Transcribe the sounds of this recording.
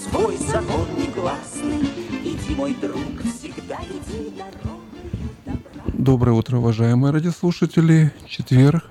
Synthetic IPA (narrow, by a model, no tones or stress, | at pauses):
svojsɐkonːɨjɡlˠasnɨid̪ʲimojd̪ɾukfsʲɪɡd̪a | d̪o̞bɾəjəut̪ɾəʊvɐʐajɪmɨjəɾadʲɪɐslˠuʂətʲɪlʲɪt͡ɕɪt̪vʲerk